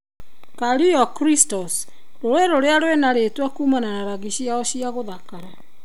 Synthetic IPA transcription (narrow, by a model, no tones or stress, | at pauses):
kaɾiɔkɾistɔs | ɾoɾeɾoɾeaɾwenaɾetwakuːmananaɾaɣiɕiaɔɕiaɣoðakaɾa